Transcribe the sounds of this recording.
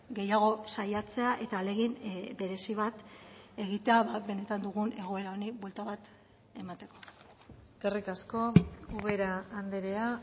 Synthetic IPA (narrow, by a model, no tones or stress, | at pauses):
ɡe̞jaɣ̞o̞sajat͡se̞aʔe̞t̪aːle̞ɣimbe̞ɾe̞siβ̞at̪e̞ɣ̞it̪e̞aβabe̞ne̞t̪and̪uɣunʔe̞ɣ̞o̞e̞ɾaoniβwelt̪aβat̪ | e̞mat̪e̞ko̞̥ | eske̞rikasko̞uɣeɾaːnd̪eɾea